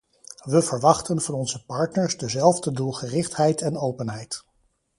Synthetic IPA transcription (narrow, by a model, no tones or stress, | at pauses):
ʋəvəɹʋɑχtənvɑnɔnzəpɑɹtnəɹsdəzɛlˠvdədulˠχərɪχtɦɛjtɛnowpənɦɛjt